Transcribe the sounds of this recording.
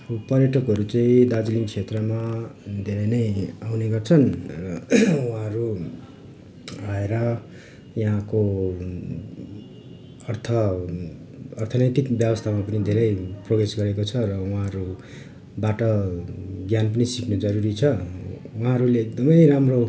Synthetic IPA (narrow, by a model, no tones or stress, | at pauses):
pʌrjʌʈʰʌkɦʌɾut͡sʌĩd̪ad͡zlint͡sʰet̪rʌmad̪ʱeɾʌjnʌjawneɡʌrt͡sʰʌnrʌwɦãɦʌɾu | aeɾʌ | jaɦãko | ʌrt̪ʰʌ | rt̪ʰʌnʌt̪ikbjʌbʌst̪ʰamapʌnid̪ʱeɾʌjproɡesɡʌɾekot͡sʰʌrʌwaɦãʌɾu | baʈʌ | ɡjanp̬ʌnisiknʌd͡zʌɾuɾit͡sʰʌ | wɦãɦʌɾuleːk̚d̪ʌmʌjɾamro